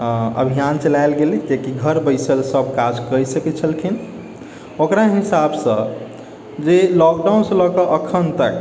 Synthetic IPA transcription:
ə̰bʱijant͡ʃəlajlɡelid͡ʒekiɡʱəɾbəjsəlsəbʱkad͡ʒkəjsəkɛt͡ʃʰəlkʰin | okɾaɦisabsə̃ | d͡ʒelɔk̚ɖaunsə̃lɔkəʔəkʰənt̪ək

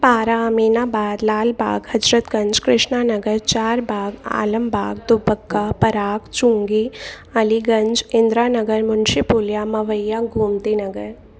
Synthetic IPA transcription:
paːɾaəmiːnaːbaːd̪laːlbʱa̰ːɡhɐd͡ʒɾət̪ɡɐ̃ɲd͡ʒkɾɪʃɳaːnɐɡəɾt͡ʃaːɾbʱaːɡa̰ːləmbʱaːɡ̚d̪ʊbəkːapɐɾaːkt͡ʃũŋɡi | ɐliɡɐ̃ɲd͡ʒɪ̃nd̪ɾaːnɐɡəɾmʊnʃipuːljaːmɐʋəjːaɡʱuːmt̪inɐɡəɾ

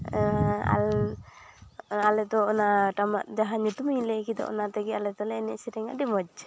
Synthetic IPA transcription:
a̰l | alɛt̪ɔɔnaʈamaʔd͡ʒaɦaɲut̪umilɛkid̪ɔ̰ʔɔ̰nat̪ɛɡialɛt̪ɔlɛːnɛ̰ʔsiɾɛŋa̰ʔɖimɔd͡ʒ

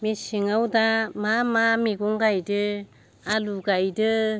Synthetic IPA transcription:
misiŋawdamamamiɡuŋɡajdɯ | aluɡajdɯ

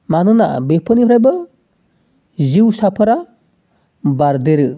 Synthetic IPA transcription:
manɯna̰bepʰɯnipʰɾajbɯ | ziwsapʰɯɾa | baɾd̪eɾɯ

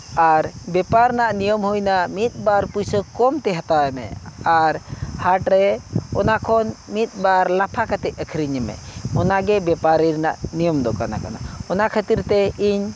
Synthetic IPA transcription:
aɾbɛpaɾnaʔnijəmhujnamit̪̚ˀbaɾpujsəkɔmt̪ɛɦat̪awɛmɛ̰aɾhaʈɾɛɔnakʰɔnmit̪̚ˀbaɾlapʰakat̪ɛʔ̪̚əkʰɾiɲəmɛ̰ɔnaɡɛbɛpaɾiɾnaʔnijɔmd̪ɔkana̰ka̰na̰ɔnaʔkʰət̪iɾt̪ɛiɲ

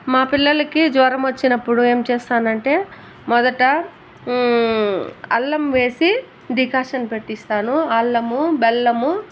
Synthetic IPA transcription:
maːpilːɐlɐkid͡ʒ̪ʋɐːɾɐmʋɐt͡ʃːinɐpːuɽue̞ːmt͡ʃeːst̪aːnɐɳʈe̞ː | mɔd̪ɐʈɐ | ɐ̰lːɐmʋe̞ːsi | ɖikaːʂɐnpe̞ʈːist̪aːnuɐlːɐmubɛlːɐmu

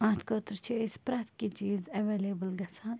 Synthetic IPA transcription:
ãːt̪ʰkoːt̪ɾt͡ʃʰiɪspɾɐt̪kit͡ʃiːzɐʋeːlebəlɡɐsaːn

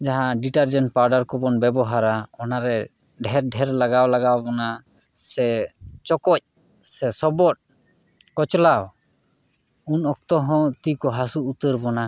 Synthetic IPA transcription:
d͡ʒaɦãɖiʈaɾd͡ʒɛnʈpaɾɖaɾkɔbɔnbɛbɔɦaɾaɔnaɾɛ | ɖʱɛɾɖʱɛɾlaɡawlaɡawbɔna | sɛt͡ʃɔkɔc̚ | sɛsɔbɔt̚ | kɔt͡ʃlaw | unɔk̚t̪ɔɦɔ̃t̪ikɔɦasuːt̪əɾbɔna

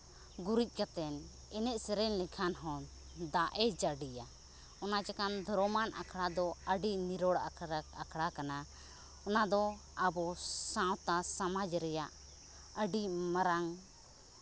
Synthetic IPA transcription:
ɡuɾic̪̚ˀkat̪ɛn | ɛnɛʔ̚sɛɾɛnlɛkʰanɦɔ̃ | d̪aʔɛd͡ʒaɖija | ɔnad͡ʒakand̪ʱɔɾɔmanʔa̰kʰɽad̪ɔəɖiniɾɔɽaɾakʰɽakana | ɔnad̪ɔabɔsãwt̪asamad͡ʒɾɛjaʔ | əɖimaɾaŋ

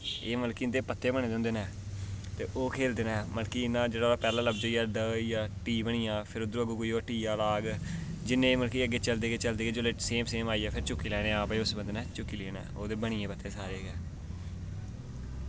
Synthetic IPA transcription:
eːməlkiːnd̪eːpət̪ʰːeːbəɳ̃eːd̪eʊ̃ːnd̪eːnɛː | t̪eːʔoːkʰeːld̪eːnɛ̃ːməlkiːɪnãːd͡ʒeːɽaɾaːpɛːlãːləbd͡ʒoːijaːɖəjaːʈiːbəɳ̃ɪjãːpʰɪɾʊd̪ɾuːəɡuːkoiːoːʈiːaːlaːɡd͡ʒɪnːẽːməlkiːəɡːeːt͡ʃəld̪eːɡeːt͡ʃəld̪eːɡeːd͡ʒoːleːseːmseːmaːiːɛːpʰɪɾt͡ʃʊkːiːlɛːɽ̃ẽːãːpeːʊsbə̃nd̪nɛ̃ːt͡ʃʊkːiːleeːnɛ̰ːoːd̪eːbəɽ̃iẽːpət̪ʰːeːsaːɾeːɡɛː

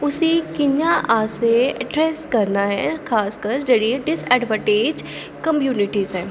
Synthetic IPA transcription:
ʊsikɪɲjaʔaːseɛɖɾɛːskɐɾnaɦɛkʰaːskəɾd͡ʒɐɽieɖɪsɛːɖʋəʈeːd͡ʒ | kɐmjuːnɪʈizɦɛː

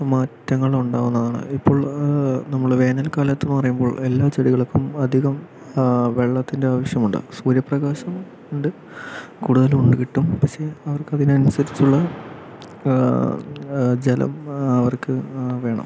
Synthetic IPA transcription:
maːtːɐŋːɐɭuɳɖaːʋunːɐðaːɳɨ̰ipːo̞ːɭnɐmːɐɭʋe̞ːnɐlkaːlɐt̪ːonːɨpɐrɐjumbo̞ːɭe̞lːaːt͡ɕeɽiɣɐɭkːumɐd̪ʱiɣɐm | ʋe̞ɭːɐt̪ːinde̞aːʋɐɕjɐmuɳɖɨ̰suːɾjɐprɐɣaːɕɐm | uɳɖɨ | kuːɽuðɐluɳɖɨkiʈːumpɐkʂe̞ɐʋɐrkɨɐðinɐnusɐɾit͡ɕːuɭːɐ | d͡ʑelɐ̰mɐʋɐrkɨʋe̞ːɳɐ̰m

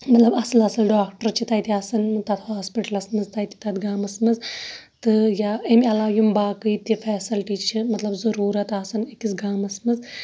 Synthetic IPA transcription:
mɐt̪lɐbɐsɨlɐsɨlɖaːkʈɐɾt͡ʃʰit̪ɐjt̪iɐsɐnt̪ɐt̪haːspiʈɐlɐsmɨzt̪ɐjt̪i̥t̪ɐt̪ɡaːmɐsmɨz | t̪ɨjaːemɐlaːjumbaːkɨjt̪ifɛːsɐlʈiːt͡ʃʰimɐt̪lɐbzɐɾuːɾɐt̪ɐsɐnekisɡaːmɐsmɨz

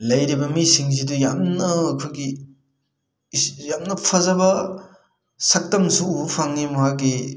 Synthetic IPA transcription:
lɐjɾibɐmisiŋzidujamnɐːkʰuɡi | jamnɐpʰɐzabɐ | sɐk̚tɐmsuupʰaŋːimɐɦaki

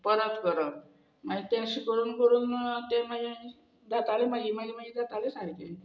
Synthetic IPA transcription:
pəɾət̪kəɾə | mad͡ʑit̪ãɕikəɽuːnkəɽuːnt̪ẽmad͡ʑẽ | d̪at̪alemaɡimaɡimaɡiːd̪at̪alesaɦit̪ẽ

